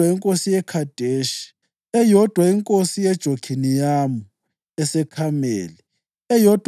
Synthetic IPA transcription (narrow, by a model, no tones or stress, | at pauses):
aiŋkʼosijɛkʰad̥ʱeʃi̥ | ɛjɔd̥ʱwaiŋkʼosijɛd̥ʒ̥ʱoɡ̥ʰʱinijamu | ɛsɛkʰamḛːli | ɛjɔd̥ʱw